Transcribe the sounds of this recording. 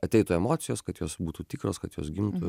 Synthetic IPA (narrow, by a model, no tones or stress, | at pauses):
ɐt̪ʲɛɪt̪uɛmoːt̪sʲɪjoːskɐt̪joːsbuːt̪uːt̪ʲiːkɾoːskɐt̪jo̰ːsɡʲɪmt̪ʊ